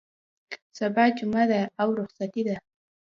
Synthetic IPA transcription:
sabad͡ʒʊmad̪aawɾʊχsat̪id̪a

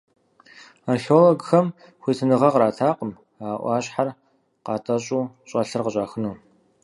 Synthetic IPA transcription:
anɬoːlɐɡxɐm | xʷiːtʰɨnɨʁɐʁɾaːtʰaːqəm | aːʔʷɑːɕʼħar | qɑːtʰʼɐɕʼuː | ɕʼɐɬɨrqəɕʼaːxɨnuː

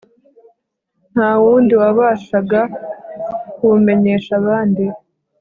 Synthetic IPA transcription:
n̥haːwuːndiwaβaːʃaɡa | kume̞ɲe̞ʃaβaːndi

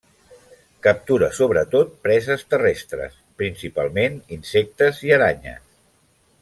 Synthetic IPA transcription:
kəp̚t̪uɾəsoβɾət̪ot̪̚pɾɛzəst̪ərɛst̪ɾə̰spɾinsipalˠmeninsek̚t̪əziəɾaɲə̰s

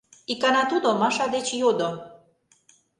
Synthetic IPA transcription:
ikɑnɑt̪ud̪omɑʃɑd̪et͡ɕjod̪o

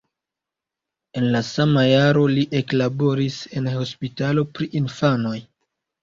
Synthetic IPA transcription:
e̞nlasamajaɾo̞liʔe̞klabo̞ɾise̞nho̞spitalo̞pɾiʔinfano̞j

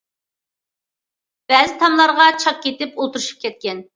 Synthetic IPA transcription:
b̥ɛzɪt̪ʰɑmlˠɑɾʁɑt͡ʃʰɑp̚kʲet̪ɪpolˠt̪uɾuʃu̥p̚kʲʰɛt̪̚kʲɛn

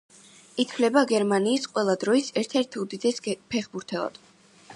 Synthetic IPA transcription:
it̪ʰvlɛbaɡɛɾmaniːsqʼwɛlˠad̪ɾɔisɛɾt̪ʰɛɾt̪ʰud̪iɛspʰɛχbuɾt̪ʰɛɔ̰d̪̥

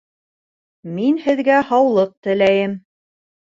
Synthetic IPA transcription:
minhɘ̆ðɡæhɑwlˠɤq̚t̪ɘ̆læjɘm

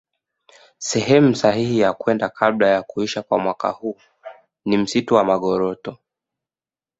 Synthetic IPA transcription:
sɛhɛmusahihijakwɛndakʰaɓlajakuiʃakwamwaka̰huː | nim̩situwamaɠɔɾɔtɔ

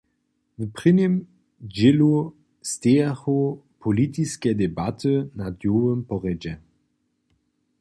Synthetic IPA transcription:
vpʁɪnem | d͡ʑɪlu | steːaxopʰolitiskɛdɛbatʰənadjoːvəmpɔʁɛd͡ʒɛ

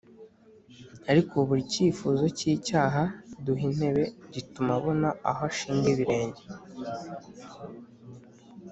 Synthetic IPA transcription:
aɾikʰoβuɾiciːfuːzo̞ciːcaːɦaduɦin̥e̞βe̞ɟitumaβonaaɦoʃiːnɡiβiɾe̞ːɲɟe̞

